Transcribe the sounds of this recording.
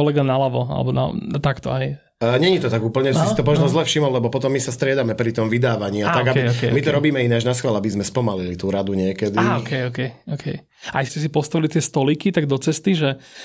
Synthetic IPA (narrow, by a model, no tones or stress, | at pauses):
ɔlɛɡanalaʋɔa̰lɛ̰bɔna̰t̪akt̪ɔ̰ɦɛj | ɲɛɲit̪ɔt̪aɡuːpl̩ɲɛasit̪ɔmɔʒnɔzlɛfʃimɔllɛbɔpɔt̪ɔmːisast̪ɾɪɛd̪amɛpɾit̪ɔmʋid̪aːʋaɲiːataɡabɔkɛmit̪ɔɾɔbiːmɛinɛaʒnaskʋɛlabizmɛspɔmalilit̪uːɾad̪uɲɪɛkɛd̪aiɔkɛjɔkɛjɔkʰɛj | aɛscɛs̬ipɔst̪aʋilit̪ɪɛst̪ɔlikit̪aɡd̪ɔt͡sɛst̪iʒɛ